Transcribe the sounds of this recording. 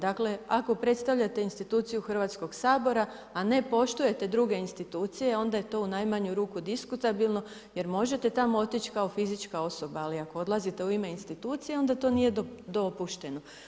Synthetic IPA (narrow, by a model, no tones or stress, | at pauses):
d̪akle̞ako̞pɾe̞t̪st̪aʋʎat̪e̞inst̪it̪uːt̪sijuxr̩ʋat̪sko̞ɡsaːbo̞ɾaː | ne̞po̞ʃt̪uje̞t̪e̞d̪ɾuɡe̞inst̪it̪uːt̪sije̞o̞nd̪aje̞t̪o̞unajmaɲuɾuːkud̪iskut̪abilˠno̞ | je̞ɾmo̞ʒe̞t̪e̞t̪amoot̪it͡ʃkaofizit͡ʃkao̞so̞baːliakood̪lˠazit̪e̞uime̞inst̪it̪uːt̪sije̞o̞nd̪at̪o̞nije̞d̪od̪o̞puʃt̪e̞no